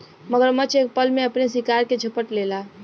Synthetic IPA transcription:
məɡəɾmət͡ʃʰek̚pəlmeəpnesikaɾked͡ʒʱəpəʈlela

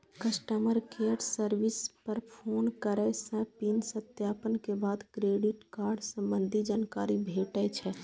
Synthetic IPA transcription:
kəsʈəməɾkeəɖsəɾʋispəɾpʰoːnkəɾɛsə̃pinsət̪jaːpənkebaːd̪kɾeːɖiʈkaːɾɖsə̃mbənd̪ʱid͡ʒaːnkaːɾibʱeːʈɛt͡ʃʰɛ

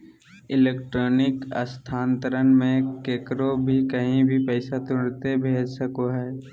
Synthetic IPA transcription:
ɪleːkʈɾoːnɪkə̰st̪ʰaːnt̪əɾənmẽkeːkɾobʱikəɦĩbʱipɛːsat̪ʊɽt̪ebʱeːd͡ʒsəkoɦɛː

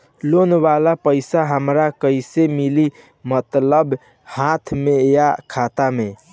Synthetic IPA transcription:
lonbalapəɪsaɦəmɾakəisemili | mət̪ləb | hat̪ʰmejakʰat̪ame

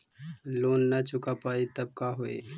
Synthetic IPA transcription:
loːnːɐt͡ʃʊkapaːit̪ɐb̚kaɦoḛː

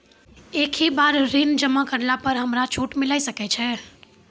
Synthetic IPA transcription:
ekʰibaɾɾind͡ʒəmakəɾlapəɾɦəmɾat͡ʃʰuʈmilajsəkɛt͡ʃʰɛ

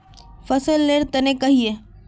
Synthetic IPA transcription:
fɐsəlːeːɾt̪ɐnẽkɐɦije

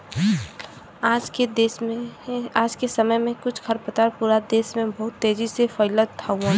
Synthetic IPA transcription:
aːd͡ʒked̪eːseaːd͡ʒkesəməjmẽkʊt͡ʃʰkʰəɾpət̪aɾpuːɾad̪eːsmẽbɐɦʊt̪ːeːd͡ʒisefəɪlət̪ʰːaũã

